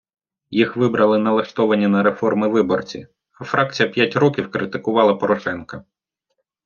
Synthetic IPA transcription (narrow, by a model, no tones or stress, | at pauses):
jixʋɪbɾʔɐlˠɪnɐlˠɐʃt̪ɔʋɐnʲːinɐɾefɔrmɪʋɪbɔrt͡sʲḭ | ɐfɾʔɑk̚t͡sʲijɐpʲjatʲɾɔkʲiwkɾʔɪt̪ɪkʊʋɑlˠɐpɔɾɔʃɛnkɐ